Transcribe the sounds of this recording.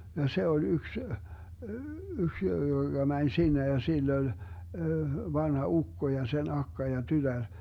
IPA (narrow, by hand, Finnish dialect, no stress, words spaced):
jɑ se olʲ yks yks joɡ̊ɑ mænʲ sinːe jɑ silː olʲ ʋɑnhɑ ukːo jɑ sen ɑkːɑ jɑ tytær